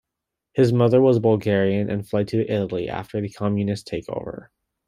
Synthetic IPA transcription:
hɨzmʌðə˞wʌzbʌlˠɡɛɹiɨ̃nʔɨ̰̃nflɛd̚tʰɨʔɪɾl̩ˠiʔæ̰ftʰə˞ðɨkʰɑmjɨnɨstʰeɪkʰo̰ʊvə̰˞

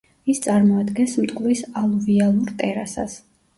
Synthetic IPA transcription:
ist̪sʼaɾmɔad̪ɡɛnsmt̪ʼkʼvlisalˠɔvialˠuɾt̪ʼɛɾasa̰s

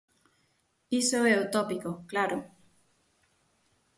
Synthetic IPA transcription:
isoeut̪opikoklaɾo

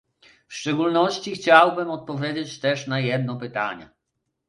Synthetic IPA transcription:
fʂt͡ʂɛɡulnɔɕt͡ɕixt͡ɕawbɘmɔt̪̚pɔvʲjed͡ʑet͡ɕt̪ɛʂnajɛd̪̚nɔpɘt̪a̰ɲɛ̰

